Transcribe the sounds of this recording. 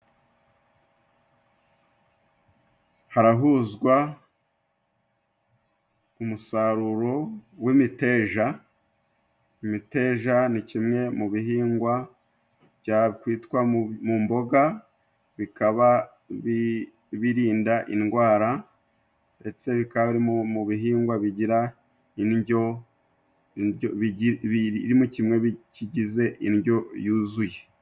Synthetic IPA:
haɾaɦuzɡwa | umusaɾuɾo̞wimite̞ʒa | imite̞ːʒanicimŋe̞muβiɦiːŋɡwa | βjɟakwiːtkwamumbo̞ɡa | βikaβa | βi | βiɾiːndaʔinɡwaːɾa | nde̞t͡se̞βikaβaiɾimuβiɦiːŋɡwaβiɟiɾa | inɟo | ɾimucimŋe̞βiciɟize̞ʔinɟo̞juːzuje̞

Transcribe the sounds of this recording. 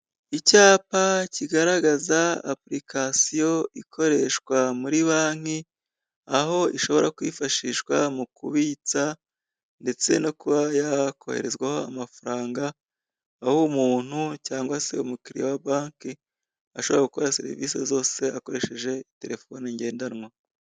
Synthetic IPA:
icaːpaciɡaɾaɡazaa̰pɾikʰasijo̞ikʰo̞ɾe̞ʃkwamuɾiβaːŋ̥i | aho̞ʔiʃo̞βo̞ɾakwiːfaʃiʃwamukṵβiːt͡sa | nde̞t͡se̞no̞kuβajakʰo̞̰hḛɾe̞zɡweho̞amafaɾaːŋɡaː | humuːn̥hucaːŋɡwase̞̰umukiɾḭjawabaːŋki | aʃoβo̞ɾaɡukoɾasḛɾḭvḭːsḛzo̞ːse̞ako̞ɾe̞ʃe̞ʒe̞ite̞ɾe̞fo̞niɲɟe̞ːndanŋwa

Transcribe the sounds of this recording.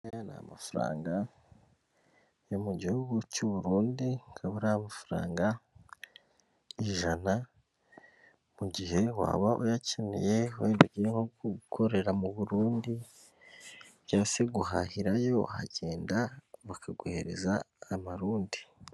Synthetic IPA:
ana̰ma̰fuɾa̰ːŋɡa | jo̞muɟihuɡucuβuɾuːndiŋkʰaβuɾahamafuɾa̰ːŋɡa | iʒana | muɟihe̞wa̰ːβaʔujacenḭje̞weːnduɡiɾeŋoɡukʰo̞ɾe̞ɾamuβuɾuːndi | βjaːseɡuha̰hiɾajo̞a̰ɟe̞ːndaβakʰaɡuheɾe̞̰zaː | maɾuːndi

